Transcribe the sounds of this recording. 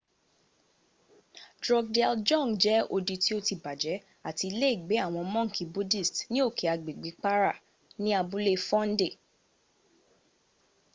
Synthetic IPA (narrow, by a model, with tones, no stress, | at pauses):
dɾɔ˧ɡ̚de˧ld͡ʒɔ̃˦˨ŋd͡ʒɛ˨˦o˧di˧ti˦o˧ti˨ba˨d͡ʒɛ˨˦ | a˦˨ti˧le˦i˦˨ɡ͡be˨˦a˦˨w̃ɔ̃˧mɔ̃˦ŋ̩˦˨ki˨bu˦di˦˨stnĩ˦o˦˨ke˨a˧ɡ͡be˨ɡ͡bi˨˦k͡pa˦ɾa˦˨ | nĩ˦a˧bu˦le˦fɔ̃˦n̩˦de˦˨